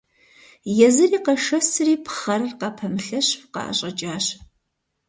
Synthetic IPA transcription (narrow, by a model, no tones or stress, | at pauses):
jɛzɨriːqɐʂɐsɨriːpʰχɐrɨrqɑpʰɐmɨɬɐɕfqɑ̰ʔɐ̰ɕʼɐt͡ʃʼaːɕ